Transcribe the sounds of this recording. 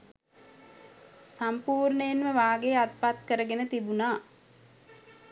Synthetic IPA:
sampuːrnəenʋəʋaːɡejat̪̚pat̪kəɾəɡenət̪ibunaː

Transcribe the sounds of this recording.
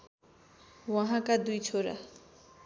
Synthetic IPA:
waɦãkad̪ujt͡ʃʰoɾa̰

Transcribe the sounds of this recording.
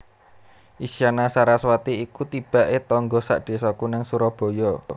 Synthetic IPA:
ʔisianasaɾaswat̪iikut̪ib̥a̤ʔet̪ɔŋɡɔsa̰ʔd̪̥e̤sɔkunaŋsuɾɔb̥ɔ̤jɔ

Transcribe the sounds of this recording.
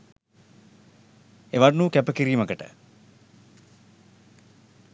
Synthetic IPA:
eʋannukæpəkiɾiːməkəʈə̰

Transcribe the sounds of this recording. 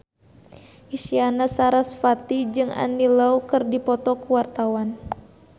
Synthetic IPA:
ʔisianasaɾasfat̪id͡ʒɨŋa̰nilaukɨrdipɔt̪ɔkuwart̪awan

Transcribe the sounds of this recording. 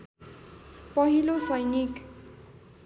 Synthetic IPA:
pʌɦilosʌjnik

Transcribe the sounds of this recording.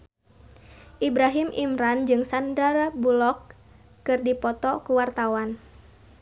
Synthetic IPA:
ʔibɾaɦimʔimɾand͡ʒɨŋsandarbulɔkː | ɨrdipɔt̪ɔkuwart̪awan

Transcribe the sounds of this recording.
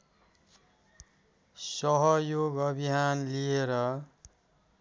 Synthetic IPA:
sʌɦʌjoɡʌbʱiɦanlieɾʌ

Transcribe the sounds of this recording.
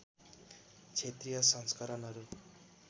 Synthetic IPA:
t͡ʃʰet̪ɾijʌsʌŋskaɾʌnʌɾu

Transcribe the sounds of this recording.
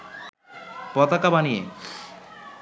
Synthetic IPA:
pɔt̪akabanijḛ

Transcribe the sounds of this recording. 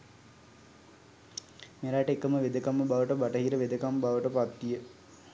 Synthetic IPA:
meɾaːʈəekəməʋed̪əkamːəbaʋəʈəbaʈəɦiːɾəʋed̪əkambaʋəʈəpat̪ːijə

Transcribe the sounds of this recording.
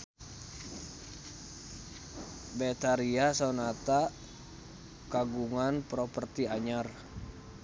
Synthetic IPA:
bɛt̪aɾiasonat̪a | kaɡuŋanpɾɔpərt̪iaɲar

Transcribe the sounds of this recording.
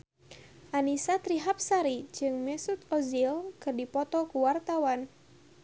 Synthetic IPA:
ʔanisat̪ɾiɦap̚saɾid͡ʒɨŋmɛsut̪̚ɔzilkɨrdipɔt̪ɔkuwart̪awan

